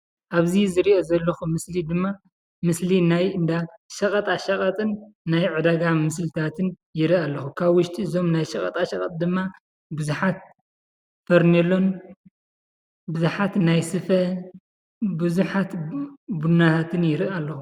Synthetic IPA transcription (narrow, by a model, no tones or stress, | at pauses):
ʔaβzizɨɾiʔo̞zɐlːɐxumɨslid̪ɨmːa | mɨslinajɨnd̪aʃɐkʼɐt̪ʼaʃɐkʼɐt̪ʼɨnːajʕɨd̪aɡamɨslɨt̪ʰat̪ʰɨn | jɪɾɨalːɐxukʰaβwʊʃt̪ʰʼiɨzo̞mnajʃɐkʼɐt̪ʼaʃɐkʼɐt̪ʼd̪ɨmːa | bɨzuħat̪̚ | fɐɾnelo̞n | bɨzuħat̪najsɨfɐ | bɨzuħat̪bunːat̪ʰat̪ʰɨnjɪɾɨʔalːɐxu